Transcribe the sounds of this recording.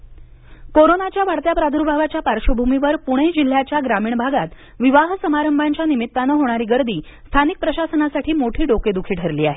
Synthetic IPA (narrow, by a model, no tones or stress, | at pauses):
koɾonat͡ɕjaʋaɽt̪japɾad̪ʱuɾbʱaʋat͡ɕjapaɾɕəbʱumiʋəɾpuɽ̃ed͡ʑil̤ːjat͡ɕjaɡɾamiːɳbʱaɡat̪ | ʋiʋaɦsəmaɾəmbʱaɲt͡ɕjanimit̪ːanəɦoɽ̃aɾiːɡəɾd̪iː | st̪ʰanik̚pɾəɕasənasaʈʰiːmoʈʰiːɖoked̪ukʰiːʈʰəɾliːaɦe